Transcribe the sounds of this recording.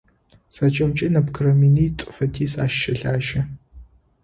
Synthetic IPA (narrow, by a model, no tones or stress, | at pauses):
sat͡ʃʼɐmt͡ʃʼɪnɐpkʰɨɾɐminiːtʷʼfɐtʰiːsaːʃːɐɬaːʒɐ